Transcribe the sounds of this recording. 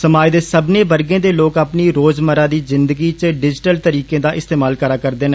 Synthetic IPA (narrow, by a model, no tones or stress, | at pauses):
səmaːjd̪eːsəbneːbəɾɡẽːd̪eːloːkapniːɾoːzməɾaːd̪iːzɪnd̪əɡiːt͡ʃəɖɪd͡ʒʈəlt̪əɾiːkẽːd̪aːʔɪst̪eːmaːlkəɾaːkəɾd̪eːne